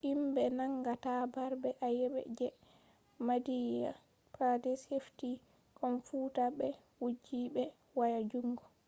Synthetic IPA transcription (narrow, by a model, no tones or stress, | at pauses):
ʔimbɛnaŋɡatabaɾbɛʔajɛɓɛ̰d͡ʒɛ | madija̰ | padɛshefti | kʰɔnfuːtaɓɛ | wud͡ʒiɓɛ | wajad͡ʒuŋɡɔ